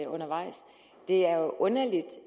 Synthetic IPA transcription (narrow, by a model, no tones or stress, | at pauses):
ɔ̽nɐʋɑ̈ɪ̰s | d̥e̝æɐʔɔ̽nɐlid̥